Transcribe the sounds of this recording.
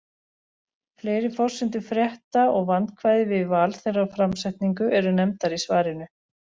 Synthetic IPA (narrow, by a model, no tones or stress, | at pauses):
fleːjɾɪfɔr̥sɪnt̪ʏfɾjɛht̪aɔɣvant̪kʰvajðɪvɪðvaːlθejraɾfɾamsajht̪niŋkʏʔɛɾʏnɛmt̪aɾisvaːɾɪnʏ